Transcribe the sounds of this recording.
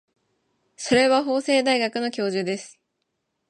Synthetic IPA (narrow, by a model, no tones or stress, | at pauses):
so̞ɾe̞βaɦo̞ːse̞ːd̪aiɡakɯ̟no̞kʲo̞ːʑɨd̪e̞sɨ̥